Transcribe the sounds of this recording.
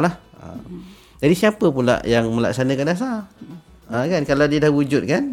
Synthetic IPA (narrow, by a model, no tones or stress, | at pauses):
lah | ə̰ | d͡ʒadisiapəpula̰ʔjaŋmə̃la̰ksanə̃kandas̬a | ʔəkankaladiədahwud͡ʒʊt̪̚kan